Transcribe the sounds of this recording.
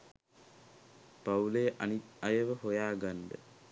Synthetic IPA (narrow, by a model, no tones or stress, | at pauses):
paulejəʔanit̪ajəʋəhojaːɡand̪ə̰